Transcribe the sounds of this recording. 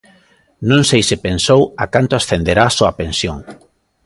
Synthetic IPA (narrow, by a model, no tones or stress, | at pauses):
nõŋsejsɪpensowakant̪oʊasθend̪eɾaːsoapẽnsjoŋ